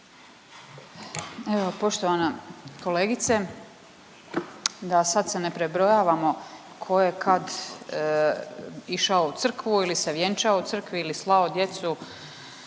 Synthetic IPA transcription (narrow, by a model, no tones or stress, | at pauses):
eʋopo̞ʃt̪o̞ʋanako̞leːɡit̪se | d̪asad̪senepɾebɾo̞jaːʋamo̞ | kʰo̞je̞kʰad̪ | iʃaout̪sr̩kʋuilise̞ʋjent͡ʃaout̪sr̩kʋiilislˠao̞d̪je̞t̪su